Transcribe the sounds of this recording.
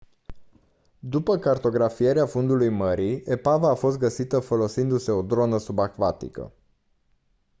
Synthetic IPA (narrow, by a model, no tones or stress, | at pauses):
d̪upəkart̪o̞ɡɾafije̞ɾeafund̪ulujməɾie̞pavaːfo̞s̬t̪̚ɡəsit̪əfo̞lo̞sind̪use̞od̪ɾo̞nəsubakvat̪ḭkə̰